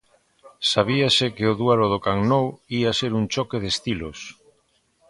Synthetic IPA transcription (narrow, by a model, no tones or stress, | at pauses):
saβ̞iasɪkeoðuaɾoð̞okaŋnowiaseɾunt͡ʃɔkeðest̪ilos